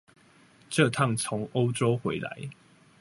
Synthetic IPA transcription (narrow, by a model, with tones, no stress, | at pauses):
ʈ͡ʂɤ˥˧t̪ʰɑ˥˨˩t͡sʰʊ˨˧˥ŋo˦ʊʈ͡ʂo˦ʊxwe˨˦ɪla̰˨˦ɪ